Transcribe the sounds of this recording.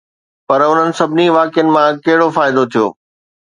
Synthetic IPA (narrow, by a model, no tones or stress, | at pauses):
pɐɾʊn̤ənɪ̆sɐbʱɪniʋaːkjənɪ̆mãkɐɦɪɽofaːɪd̪ot̪ʰijo̰ː